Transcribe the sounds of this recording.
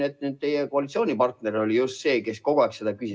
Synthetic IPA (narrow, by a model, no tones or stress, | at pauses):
et̪ːˑnyd̪̚t̪e̞jekoɑlit̪sioːnʲipɑrt̪ne̞ɾo̞lijust̪se̞ːke̞sko̞ɡ̥oæːˑkse̞d̪̥ɑkysʲi